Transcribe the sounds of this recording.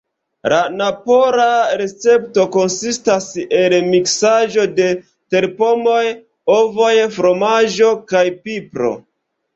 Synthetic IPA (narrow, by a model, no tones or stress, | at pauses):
lanapoɾaɾe̞t͡se̞pto̞ko̞nsistaselmiksaʒo̞de̞ | te̞ɾpo̞mo̞j | ovo̞jfɾo̞maʒo̞kajpipɾo̞̰